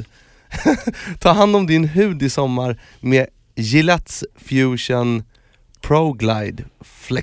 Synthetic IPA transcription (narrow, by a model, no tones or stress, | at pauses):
t̪ʰɑːɾɦand̪ɔmd̪ɪnɦʉ̟ːd̪ɪsɔmːaɾ | meː | jɪlɛt̪sfjʉːʂən | pʰɾoɡlajd̪flɛ